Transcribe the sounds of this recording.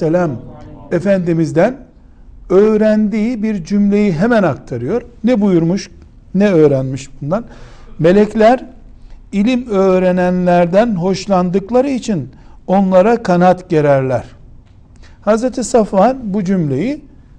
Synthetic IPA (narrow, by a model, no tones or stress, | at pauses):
elʲamefænd̪imizd̪æn | øːɾænd̪iːbiɾd͡ʒymlʲe̞jiɦemænak̚t̪ʰaɾɯjo̞ɾnɛbujuɾmuʃ | nɛø̞ːɾænmiʃbund̪anme̞lʲɛclʲæɾ | ilʲimø̞ːɾe̞nænlʲæɾd̪ænɦo̞ʃlˠand̪ɯklˠaɾɯit͡ʃʰino̞nlˠaɾakʰanat̪ɟe̞ɾæɾlʲæɾ̥ | hazɾet̪ʰisafanbud͡ʒymlʲe̞ji